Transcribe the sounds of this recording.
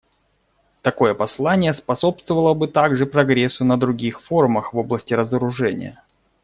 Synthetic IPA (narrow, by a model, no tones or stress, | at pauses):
t̪ɐko̞jəpɐslˠanʲɪjəspɐso̞pst̪vəvəlˠəbɨt̪aɡʐɨpɾɐɡɾʲesːʊnəd̪ɾʊɡʲixfo̞rməxvo̞blˠəsʲtʲɪɾəzəɾʊʐɛnʲɪ̰jə̰